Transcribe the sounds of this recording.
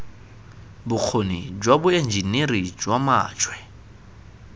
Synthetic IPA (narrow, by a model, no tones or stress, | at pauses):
bʊk͡xʰonid͡ʒwabʊend͡ʒinerid͡ʒwama̰ːt͡ʃʰʼwɛ